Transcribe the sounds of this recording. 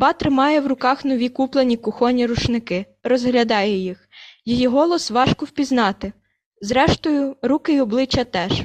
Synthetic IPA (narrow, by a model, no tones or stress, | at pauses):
bɑt̪ɾɪmɑjɛwrʊkɑxnɔʋʲikuplˠenʲikʊxɔnʲiɾʊt͡ʃnɪkɪ | rɔzɦlʲɐd̪ɑjɛjixjijiɦɔlˠɔsʋɑʃkɔwpʲiznɑt̪ɪ | zɾɛʃt̪ɔjʊɾukɪiɔblˠɪt͡ʃːɐt̪ɛʃ